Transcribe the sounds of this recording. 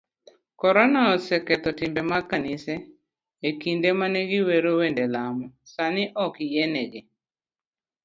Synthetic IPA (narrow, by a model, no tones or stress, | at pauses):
kɔɾɔnaɔsɛkɛt̪ɔtɪmbemakanɪsɛː | kindemaneɡɪweɾowendelamɔsanɪʔɔkjenɛɡɪ